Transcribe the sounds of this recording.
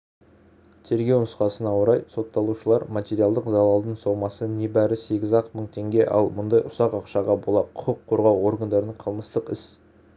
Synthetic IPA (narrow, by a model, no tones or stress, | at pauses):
t̪ʰe̞ɾɡʲe̞wnʊsqɑsənɑwəɾɑjso̞t̪ːɑlˠuʃəlˠɑɾmat̪ʲe̞ɾijalˠd̪əqzɑlˠɑlˠd̪ənsowmɑsəne̞bæɾɪse̞ɡʲɪzɑqməɴt̪ʰe̞ŋɡʲe̞ʔɑ̰lˠmʊnd̪ɑjʔʊsɑqɑqʃɑʁɑbo̞lˠɑqʰʊqəqʰːo̞ɾʁɑwo̞ɾɡand̪ɑɾənəɴqʰəlˠməst̪əqɪs